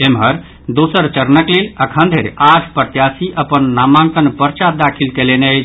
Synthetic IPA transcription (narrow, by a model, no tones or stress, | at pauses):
emɦəɾ | d̪osəɾt͡ʃəɾnəkleləkʰənd̪ʱeɾḛʔaʈʰpəɾt̪jasiʔəpənːamãŋkənpəɾt͡ʃad̪akʰilkelenet͡ʃʰ